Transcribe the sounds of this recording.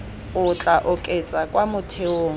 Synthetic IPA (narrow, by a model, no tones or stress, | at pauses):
ʊt͡ɬʼaʔʊkʼet͡sʼakʼwamʊtʰeoːŋ